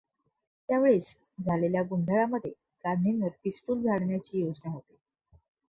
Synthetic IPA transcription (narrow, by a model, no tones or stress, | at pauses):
t̪jaʋeɭes | d͡zʱaleljaɡund̪ʱəɭaməd̪ʱːje | ɡaninʋəɾpisʈuːld͡zʱaɭɳjat͡ɕiːjod͡znaɦot̪e̥